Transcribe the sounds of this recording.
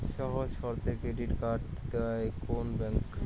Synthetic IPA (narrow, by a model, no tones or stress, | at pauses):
ʃɔɦod͡ʑʃɔɾt̪ʰekɾeɖiʈkaʈd̪ewaekonbɛŋk